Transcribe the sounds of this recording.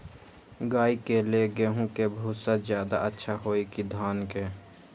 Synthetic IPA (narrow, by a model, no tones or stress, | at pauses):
ɡaːikeleɡeɦũkebʱuːsazjaːd̪a̰ʔətːʃʰaɦoːikid̪ʱaːnkeː